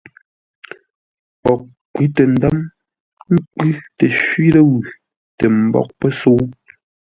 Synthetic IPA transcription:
pɔ˨k̚ | kːwi˨˦tɛ˨n̩˨da˦m | ŋ̩˦kʉ˦tɛ˨ʃɥi˦lə˦ɣʉ˨ | te˨m̩˨bɔ̰˨k̚pɛ˦so˦

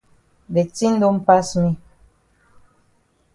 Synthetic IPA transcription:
be˨ti˦n̩˦do˦m̩˦pa˦smi˦

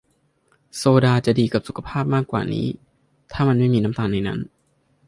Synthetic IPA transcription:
soː˧daː˧t͡ɕa˨˩ʔdiː˧ka˨˩p̚su˨˩kʰa˧pʰaː˥˩p̚maː˥˩kːwa̰ː˨˩nḭː˦˥ | t̪ʰaː˥˩ma˧nma˥˩jmiː˧na˦˥mt̪aː˧nːa˧jna̰˦˥n

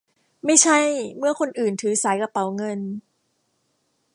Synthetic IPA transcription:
ma˥˩jt͡ɕʰa˥˩jmɯ˥˩ɐkʰo˧nʔɯː˨˩nt̪ʰɯː˩˦saː˩˦jka˧pa˨˦wŋɤ˧n

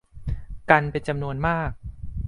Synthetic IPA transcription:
ka˧npe˧nt͡ɕa˧mnu˧ənmaː˥˩k̚

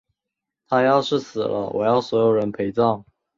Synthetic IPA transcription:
t̪ʰa˥jɑ˥˧ʊʂɻ̩˥˩sɹ̩˨˩lə̰˦wɔ̰˨˩jɑ˥˩ʊswɔ˧˥jo˨˩ʊɻə˧˥npʰe˧˥ɪt͡sɑ˥˩ŋ

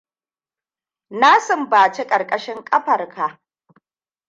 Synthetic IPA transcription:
naː˦sɪ˨mbaː˨t͡ʃe˦kʼɐ˨rkʼɐ˦ʃɪ˦ŋkʼɐ˦ɸɐ˨rkʰa˨ʔ

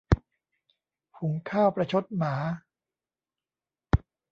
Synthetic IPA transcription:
pʰu˩˦ŋkʰaː˥˩wpɾa˧t͡ɕʰo˦˥t̪̚maː˩˦

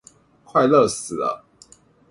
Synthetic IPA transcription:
kʰwa˥˧ɪlə˥˨s̩˨˩lə̰˦

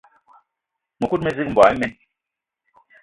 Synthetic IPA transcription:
mu˨ku˦t̚me˨zi˦km̩˨bwa˨i˦mɛ˦n

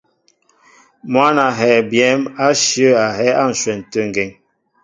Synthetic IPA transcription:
mwa˦na˨ɦɛ˨bjɛ˦ma˦ʃjə˦a˨ɦɛ˦a˦n̩˨ʃwɛ˨n̩˨tə˦˨ŋ˨ɡɛ˨ŋ

